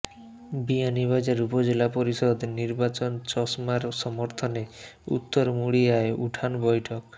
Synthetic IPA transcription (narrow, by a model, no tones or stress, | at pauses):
bianiβad͡ʑaɾupɔd͡ʒelapɔɾisɔd̪niɾbat͡ʃɔnt͡ʃɔsmaɾsɔmɔɾt̪ʰɔneṵt̪ːɔɾmuɽiaeʔuʈʰanbɔjʈʰɔk